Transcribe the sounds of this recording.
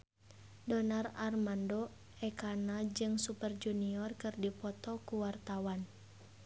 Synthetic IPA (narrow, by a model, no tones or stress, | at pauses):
dɔnararmandɔ | ɛkanad͡ʒɨŋsupərd͡ʒuniɔrkɨrdipɔt̪ɔkuwart̪awan